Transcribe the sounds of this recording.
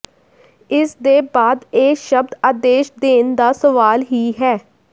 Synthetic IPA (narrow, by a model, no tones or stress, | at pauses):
ɪsd̪eːbaːd̪eːʃəb̚d̪aːd̪eːʃd̪eːnd̪aːsəʋaːlɦiːɦɛː